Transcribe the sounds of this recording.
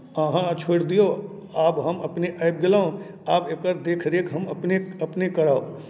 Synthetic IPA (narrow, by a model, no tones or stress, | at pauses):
əɦãt͡ʃʰoːɽd̪ijo | aːbɦɐmɐpneʔaːp̚ɡɪlaːõ | aːbekəɾd̪eːkʰɾeːkɦɐmɐpneɐpnekɐɾaːo̰